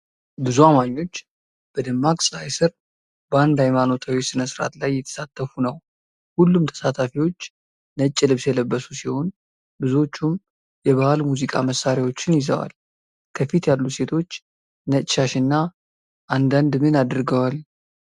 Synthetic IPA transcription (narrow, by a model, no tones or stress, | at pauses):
bɨzuamaɲːo̞t͡ʃː | b̥əd̪ɨmːakʼsʼlajsɨɾ | bəand̪ajmano̞t̪ʰawisɨnəsɨɾa̰t̪lajːɛt̪ʰə̥sat̪ʰːəfunəw | hulːumt̪ʰə̥sat̪ʰafiwo̞t͡ʃː | nət͡ʃʼːɪlɨβsjɛləbːəsu̥siho̞n | bɨzuo̞t͡ʃːum | jɛβahalmuzikʼaməsːaɾjawo̞t͡ʃːɪnjɪzə̰wa̰l | kʰəfit̪jalːuse̞t̪ʰo̞t͡ʃː | nət͡ʃʼʃaʃɨnːa | ʔand̪and̪mɨnad̪ɨɾɡəwal